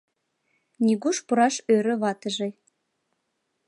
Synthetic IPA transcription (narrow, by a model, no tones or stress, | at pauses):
nʲiɣuʃpuɾɑʃøɾə̆βɑt̪ə̆ʒe